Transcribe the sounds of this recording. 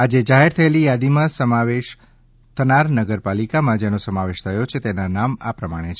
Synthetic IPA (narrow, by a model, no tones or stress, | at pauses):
ad͡ʒed͡ʒaɦeɾt̪ʰəelijad̪imãsəmaʋeʃ | t̪ʰənaɾnəɡəɾpalikamãd͡ʒenosəmaʋeʃt̪ʰəjot͡ʃʰet̪enanamapɾəmaɽ̃et͡ʃʰ